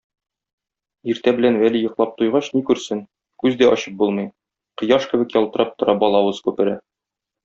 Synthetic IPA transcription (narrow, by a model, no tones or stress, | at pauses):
iɾt̪æbɘ̆lænwælijŏqlˠɑp̚t̪ujʁɑɕnikʉɾsɘn | kʉzd̪æʔɒɕɤ̥p̚bulˠmɤj | qɤ̆jɑʃkɘ̆bɘ̆kjɒlˠt̪ɤ̆ɾɑp̚t̪ŏɾɑbɒlˠɑwɤz̥kʉpɘ̆ɾæ